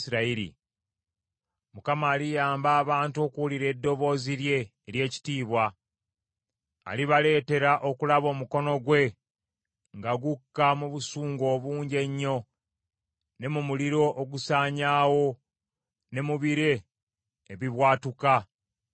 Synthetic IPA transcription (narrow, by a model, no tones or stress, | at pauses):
siɾaiɾḭ | mukamaːlijaːmbaːβaːntuo̞ːkuwuliɾe̞ːdːo̞βo̞ːziɾje̞ː | ɾje̞ːci̥tiːβwa | liβale̞ːte̞ɾaʔo̞kulaβo̞ːmuko̞no̞ɡwe̞ | ŋɡaɡukːamuβusuːŋɡo̞ːβuːɲɟe̞ɲːo̞ | ne̞mumuliɾo̞ʔoɡusaːɲaːwo̞ | ne̞muβiɾe̞ː | βiβwaːtuka